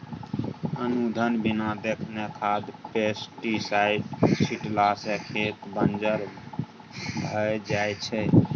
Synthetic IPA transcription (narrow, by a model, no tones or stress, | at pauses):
ənud̪ʱənbinad̪ekʰnekʰad̪pesʈisaɪʈt͡ʃʰiʈlasekʰet̪bənd͡ʒəɾ | bʱəd͡ʒajt͡ʃʰɛ